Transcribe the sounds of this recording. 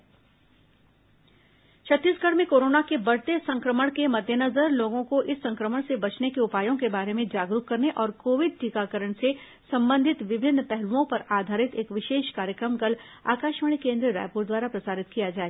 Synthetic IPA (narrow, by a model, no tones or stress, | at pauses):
t͡ʃʰɐt̪ːiːsɡɐɽmẽkoːɾoːnakebɐɽ̤t̪esɐ̃ŋkɾəməɽ̃kemɐd̪ʱjənɐzəɾloːɡõkoʔɪsːɐ̃ŋkɾəməɽ̃sebɐt͡ʃnekeʊpaːjõkebaːɾemẽd͡ʒaːɡɾuɦkːɐɾneʔɔːɾkoːʋɪd̪̚ʈiːkakəɾəɳ̃se | sɐ̃mbə̃nd̪ʱɪt̪ʋɪbʱɪnːpɛɦluõpɐɾaːd̪ʱaːɾɪt̪eːkʋɪʃeːʃkaːɾjəkɾəmɡəl | a̰ːkaːʃmaɽ̃ikẽːnd̪ɾəɾa̰ːjpuːɾd̪waːɾapɾɐsaːɾɪt̪kijad͡ʒaːeɡ